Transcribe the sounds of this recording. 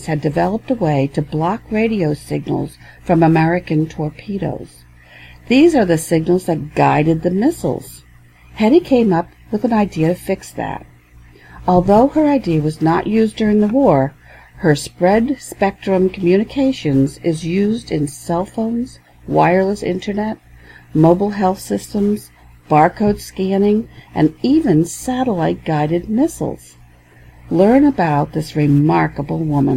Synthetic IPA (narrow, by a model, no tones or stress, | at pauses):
z̥ɨdɨvɛlˠəp̚təweɪɾɨblɑkɹeɪɾioʊsɪɡ̚nl̩ˠz̥ | fɹʌ̃məmɛɹɨkɨ̃ntʰɔɹpʰiɾo̰ʊz̥ | ðizə˞ðɨsɪɡ̚nl̩ˠzðɨt̚ɡ̥aɪɾɨd̪̚ðɨmɪsl̩ˠz̥ | hɛɾikʰẽɪ̃mʌp̚ | wəðɨ̃naɪdiɨɾɨfɪksðæ̰ɾ | ɔlˠðoʊə˞aɪdiɨwʌznəʔjʉzdʊɹɪ̃ŋðəwɔɹ | hə˞spɹɛdspɛk̚tɹ̥ɨ̃mkʰm̩jʉnɨkʰeɪʃɨ̃nzɪzjʉzdɨ̃nsɛlˠfõʊ̃nz̥ | waɪə˞lˠəsɪ̰̃ntʰə˞nɛt̚moʊbl̩ˠɦɛlˠθsɪstə̃mz̥ | b̥ɑɹkʰoʊd̥skænɪ̃ŋʔɨ̰̃nivɨ̃nsæɾəlaɪt̚ɡ̥aɪɾɨd̚mɪsl̩ˠz̥ | lɜ̃˞nəbaʊt̪̚ðɪsɹɪmɑɹkəbl̩ˠwʊmə̰̃n